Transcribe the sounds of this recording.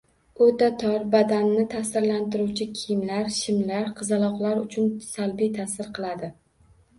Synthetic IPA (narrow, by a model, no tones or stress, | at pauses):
ot̪at̪ʰɒɾbad̪anːɪt̪ʰasɪɾlant̪ɪɾuwt͡ʃʰɪkʲʰɪjɪmlaɾʃɪmlaɾqʰɨzɪlˠɒqlˠaɾʊt͡ʃʰʊnsalbijt̪ʰasɪɾqʰɨlˠad̪ɪ